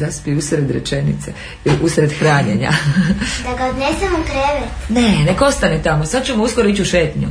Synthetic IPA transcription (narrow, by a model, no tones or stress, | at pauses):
zaspiusɾe̞d̪ɾḛt͡ʃe̞nḭt̪se | ʔusɾe̞d̪xɾaːɲḛɲa̰d̪aɡaod̪nesemukɾeʋet̪ne̞neko̞st̪anet̪amosad̪̚t͡ɕumouːsko̞ɾoit͡ɕuʃeːt̪ɲṵ